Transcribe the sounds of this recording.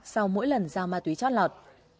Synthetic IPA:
sa˧wmo̰˧˥jlə˨˩nzaː˨˩wmaː˨˩t̪wi˨˦t͡ɕɔ̰˧˥n̚lɔ˨˩t̚

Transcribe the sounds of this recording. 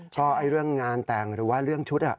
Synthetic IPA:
kʰɔː˧˩ʔa˧jɾɯ˥˩əŋːaː˧nt̪aː˨˩ŋɾɯː˩˦waː˥˩ɾɯ˥˩əŋt͡ɕʰu˦˥t̪̚ʔa̰˨˩ʔ

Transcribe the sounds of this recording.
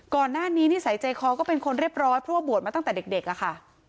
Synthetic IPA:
kɔː˨˩nːaː˥˩niː˦˥niː˥˩sa˨˩˦jt͡ɕa˧jkʰɔː˧kɔː˥˩pe˧nkʰo˧nɾi˥˩əp̚ɾɔː˦˥npʰɾɔ˦˥waː˥˩bu˨˩ət̪̚ma˧˥˩ŋt̪ɛː˨˩de˨˩k̚de˨˩k̚ʔa˨˩kʰa˥˩

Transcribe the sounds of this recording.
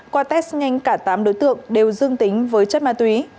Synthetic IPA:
kwaː˧t̪ɛ˦˥k̚sɲa˧jŋ̟kaː˧˩t̪aː˨˦mɗo̰˧˥jt̪ɨ̰˧˨əŋɗe˨˩wzɨ˧əŋt̪ï˨˦ŋ̟vəː˨˦jt͡ɕə˦˥t̚maː˧˩t̪wi˨˦

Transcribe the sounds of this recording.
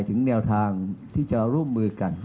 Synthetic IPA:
jt̪ʰɯ˩˦ŋnɛː˧wt̪ʰaː˧ŋt̪ʰiː˥˩t͡ɕa˨ɾuː˥˩mːɯː˧ka˨˩n

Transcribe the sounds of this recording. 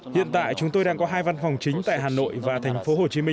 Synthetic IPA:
hḭ˧˨ənt̪a̰ː˧˨jt͡ɕʊ˨˦ŋ͡mt̪o˧jɗaː˧ŋkɔ˨˦ɦaː˧jva˧nfa˨˩wŋ͡mt͡ɕï˨˦ŋ̟t̪a̰ː˧˨jɦaː˨˩no̰˧˨jvaː˨˩t̪ʰɛ˨˩jŋ̟fo˨˦ho˨˩t͡ɕi˨˦mï˧

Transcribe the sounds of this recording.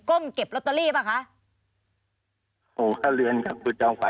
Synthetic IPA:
ko˥˩mke˨˩p̚lo˦˥t̪ːa˧liː˥˩baː˥˩kʰa˦˥ʔ | o˨˦ŋkʰaː˦˥˩lɯ˧ənka˨˩p̚kʰuː˧t͡ɕɔ˧ŋfa˨˦

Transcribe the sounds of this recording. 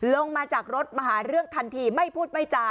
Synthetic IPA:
lo˧ŋmaː˧t͡ɕaː˨˩k̚ɾo˦˥t̪̚maː˧ɦaː˩˦ɾɯ˥˩əŋt̪ʰa˧nt̪ʰiː˧ma˥˩jpʰuː˥˩t̪̚ma˥˩jt͡ɕaː˨˩

